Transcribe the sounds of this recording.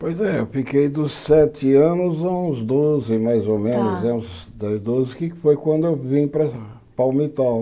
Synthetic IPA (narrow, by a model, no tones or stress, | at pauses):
pojzɛewfikejd̪ʊssɛt̪ɪɐ̃nʊzɐ̃ũzd̪ozɪmajzomẽnʊzɐũz | d̪ɐzd̪ozɪkɪfojkwɐ̃nd̪ʊewvĩpɾɐ | pawmit̪aw